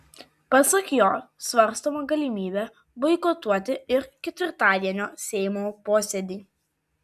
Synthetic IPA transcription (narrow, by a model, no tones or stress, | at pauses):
pɐsɐkjoːsʋɐɾst̪oːmɐɡɐlʲimʲiːbʲɛ | bɔɪkot̪uɔt̪ʲɪɪɾkʲɛt̪ʲʋʲɪɾt̪ɑːd̪ʲiɛnʲoːsʲɛɪmoːpoːsʲɛd̪ʲiː